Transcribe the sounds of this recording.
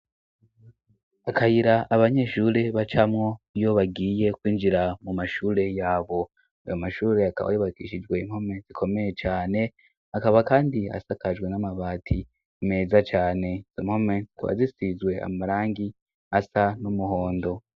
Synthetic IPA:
akahiɾaʔaβaɲe̞ʃuɾe̞βat͡ʃamŋo̞jo̞βaɡiːje̞kwiːnd͡ʒiɾamumaʃuːɾe̞jaːβo̞ | a̰jomaʃuːɾe̞aka̰βa̰joβakiʃid͡ʒɡwe̞im̥ho̞me̞zikʰo̞me̞je̞t͡ʃaːne̞ | akaβakaːndia̰sakad͡ʒɡwe̞namaβaːtʰi | me̞ːzat͡ʃaːne̞z̥imho̞me̞kuβa̰zisizwe̞a̰maɾaːŋɡi | asanumuɦo̞ːndo̞

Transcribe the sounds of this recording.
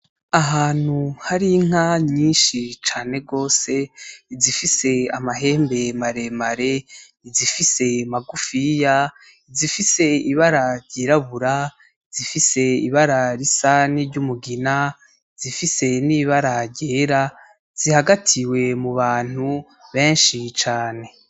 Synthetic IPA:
aɦaːn̥huhaɾiŋ̥aɲiːnʃit͡ʃaːne̞ɡo̞ːse̞izifise̞amaɦe̞ːmbe̞maɾe̞maɾe̞ | izifise̞maɡufija | izifise̞iβaɾaɾɟiɾaβuɾa | izifise̞iβaɾaɾisaniɾɟumuɡina | izifise̞niːβaɾaɾɟeːɾa | z̥ihaɡatʰiwe̞muβaːn̥u | βeːnʃit͡ʃaːne̞

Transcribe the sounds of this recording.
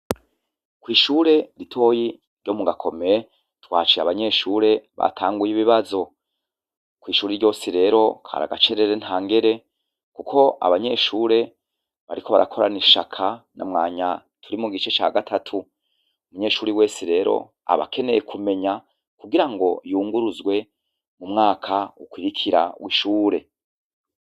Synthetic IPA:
kwiːʃuːɾe̞ɾitʰo̞ːji | ɾɟo̞muɡakʰo̞meje | twaːt͡ʃiaβaɲe̞ːʃuːɾe̞βa̰tʰaːŋɡujiβiβazo̞ | kwiːʃuːɾeɾɟo̞ːsiɾe̞ːɾo̞kʰa̰ɾa̰ɡat͡ʃeɾeɾen̥haːŋɡe̞ɾe̞ | kukʰo̞a̰βaɲe̞ːʃuːɾe̞ | βa̰ɾiko̞βaɾʔa̰kʰo̞ɾa̰niʃa̰kʰana̰mŋaːɲa | tʰuɾimuɡit͡ʃe̞t͡ʃaːɡatʰatʰu | umuɲe̞ːʃuːɾiwe̞ːsiɾe̞ːɾo̞̰ | a̰βa̰ke̞ne̞je̞kʰume̞ɲa | kuɡiɾaŋɡo̞juːŋɡuɾuzɡwe̞ | mumŋaːkʰaukwiɾikʰiɾa̰wiʃuːɾe̞

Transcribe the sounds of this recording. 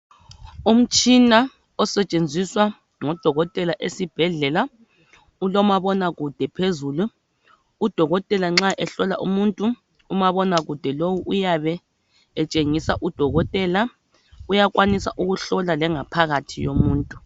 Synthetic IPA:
um̩t͡ʃʼina | ɔsɛt͡ʃʼend͡zʱiswa | ŋɔd̥ʱɔɣɔtʼɛlaʔesib̥ʱɛɮɛla | ulɔmaβɔnaɣud̥ʱɛpʰezuluː | d̥ʱɔɣɔtʼɛlaŋ͡ǁaʔɛɬɔla̰ʔumuntʼuː | maβɔnaɣud̥ʱɛlowuʔujaβɛː | t͡ʃʼeŋisaʔud̥ʱɔɣɔtʼɛla | ujaɣʼwanisa̰ʔuɣuɬɔlalɛŋapʰaɣatʰijomuːntʼu̥

